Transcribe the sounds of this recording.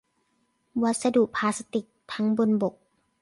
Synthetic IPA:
wa˦˥t̪̚sa˧du˨˩ʔpʰaː˧sa˧t̪i˨˩k̚t̪ʰa˦˥ŋbu˧nbo˨˩k̚

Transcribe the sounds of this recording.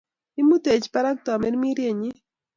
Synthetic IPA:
i˦mu˦t̪e˨t͡ʃpa˦ɾa˦k̚t̪ɔ˨mɛ˦ɾmi˦ɾje˦˨ɲɪ˦

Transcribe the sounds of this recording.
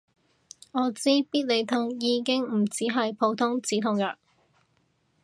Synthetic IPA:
ŋɔː˨˧t͡siː˥piː˥t̚le˨˧jt̪ʰʊ˨˩ŋjiː˨˧kɪ˥ŋm̩˨˩t͡siː˨˥ɦɐ˨jpʰo˨˧wt̪ʰʊ˥ŋt͡siː˨˥t̪ʰʊ˨˥˩ŋjœː˨˩n

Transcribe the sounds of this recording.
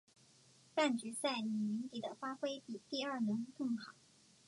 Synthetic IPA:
pa˥˩nt͡ɕy˧˥sa˥˩ɪni˨˩mi˧˥ŋt̪i˨˩d̪ə˦fa˥xwe˥ɪpi˨˩t̪i˥˧ɐ˞˥˩nɤ˧˥ŋkɤ˥˩ŋxɑ˨˩˦

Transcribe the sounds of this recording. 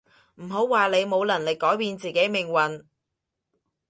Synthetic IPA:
m̩˨˩ɦo˨˥wwaː˨le˨˧jmo˨˧wlɐ˨˩nlɪ˨kːɔː˨˥jpiː˧nt͡siː˨ke˨˥jmɪ˨ŋwɐ˨n

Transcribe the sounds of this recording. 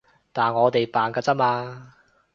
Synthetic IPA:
t̪aː˨nŋɔː˨˧t̪e˨jpaː˨˩nkaː˧t͡sɐ˥maː˧

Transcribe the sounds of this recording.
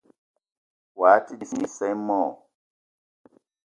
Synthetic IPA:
wa˨˦tʰi˦di˨si˨˦sɛ˦mɔ˨

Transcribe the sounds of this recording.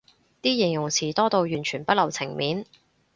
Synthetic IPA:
t̪iː˥jɪ˨˩ŋjʊ˨˩ŋt͡sʰiː˨˩t̪ɔː˥t̪o˧wjyː˨˩nt͡ʃʰyː˨˩npɐ˥t̚lɐ˨˩wt͡sʰɪ˨˩ŋmiː˨˥n

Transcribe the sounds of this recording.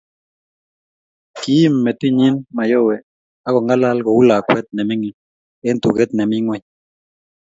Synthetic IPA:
ki˨˦mːɛ˨t̪ɪ˦ɲi˦nma˨jɔ˦wɛ˨ | a˦kɔ˨ŋɡa˦la˦lɡɔ˨u˦la˨kwɛ˦t̪̚nɛ˨mɪ˦ŋɪ˨ | ɛ˦nt̪u˨ɡɛ˦t̪̚nɛ˨mɪ˦ŋwɛ˦ɲ

